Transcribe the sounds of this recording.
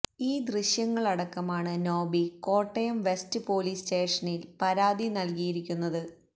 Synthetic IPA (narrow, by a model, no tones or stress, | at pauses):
iːd̪riɕjɐŋːɐɭɐɽɐkːɐmaːɳɨno̞ːbiko̞ːʈːɐjɐmʋe̞stɨpo̞ːliːste̞ːʂɐnilpɐɾaːd̪inɐlkijiɾikʲːunːɐðɨ